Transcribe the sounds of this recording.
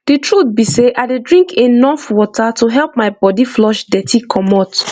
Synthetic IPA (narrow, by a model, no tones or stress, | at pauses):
d̥itɹut̪̚biseʔadedɹĩŋkʰenɔfwɔtatuɦɛlˠp̚maɪbɔdiflɔʃdɛtʰikʰɔmɔt